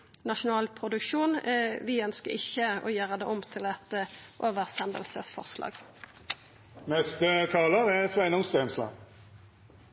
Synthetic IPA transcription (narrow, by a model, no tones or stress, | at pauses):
nɑʃʊnɑːlpʰʁʊd̪ʉkʃuːnʋɪœnskəʁɪçəo̰ːjæːʁəd̪eːʊmt̪ʰɪlɛt̪əʔoːʋəʁsɛnd̪ə̰lsəsfɔ̰ʁslɑ̰ːɡ | nɛst̪ət̪ʰɑːləʁɛsʋæɪnʊŋst̪ɛnslɑ̰ː